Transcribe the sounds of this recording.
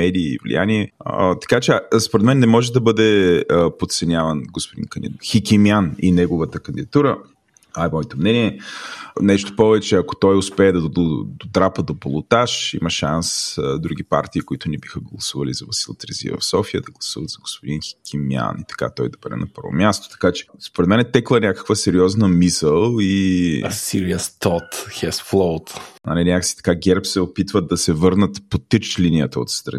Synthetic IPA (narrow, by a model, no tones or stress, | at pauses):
mɛd̪ḭːvlḭja̰niɛt̪ɐ̥kat͡ʃɛspoɾɛd̪mɛnːɛmɔʒɛd̪ɐbɤd̪ɛpot̪t̪sɛnʲjavənɡospod̪ḭnkənd̪ixikʲimjaninɛɡovət̪əkənd̪ʲid̪ɐt̪uɾə | ajmɔɛt̪omnɛniɛ | nɛʃt̪o̥pɔvɛt͡ʃɛɐko̥t̪ɔjʊspɛːd̪ɐd̪ot̪ɾapəd̪opolˠʊt̪aʃḭməʃansd̪ɾuɡ̟ipa̰ɾt̪iːkoit̪ʊnɛbixəɡlˠɐsuvɐlizɐvɐsilˠɐt̪ɾɛzḭvɐ̰fsɔfiəd̪ɐɡlˠɐsuvɐd̪zɐɡospod̪inxkʰʲimia̰nit̪ɐ̥ka̰t̪ɔjd̪ɐbɛɾɛ̰nɐpɤ̰ɾvo̰mjast̪o̥t̪ɐ̥kat͡ʃɛ̥spoɾɛd̪mɛnɛt̪ɛklˠənʲakə̥kvəsɛɾiɔznəmisəlˠisiɾiəst̪ɔt̪xɛsflˠoʊt̪ɐ̰nɛnʲaksi̥t̪ɐ̥kaɡʲɛɾpsɛopit̪vəd̪ɐsɛvɤɾnət̪pot̪ət͡ʃlinijət̪əo̰t̪st̪ɾɐ̰ni